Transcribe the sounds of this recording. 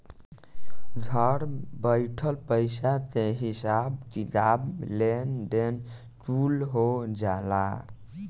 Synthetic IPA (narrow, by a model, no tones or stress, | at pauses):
ɡʱəɾbəɪʈʰəlpəɪsat̪eɦisab̚kit̪ablenɖen | ʈulɦod͡ʒala̰